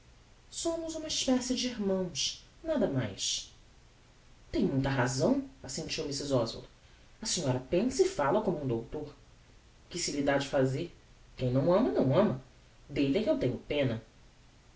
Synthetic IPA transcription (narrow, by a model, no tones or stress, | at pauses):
sõmʊzũmɐiʃpɛsɪd͡ʒɪiɾmɐ̃w̃s | nad̪ɐma̰js | t̪ẽj̃mũj̃t̪ɐɦazɐ̃w̃asẽnt͡ʃiwmisizɔzvo̰ld̪ʊ | ɐsĩɲɔɾɐpẽsɪfalɐkõmũd̪owt̪oɾ | kɪsɪlid̪ad͡ʒɪfazeɾ | kẽj̃nɐ̃w̃ɐ̃mɐnɐ̃w̃ɐ̃mɐ | d̪elɛkewt̪ẽɲʊpẽnɐ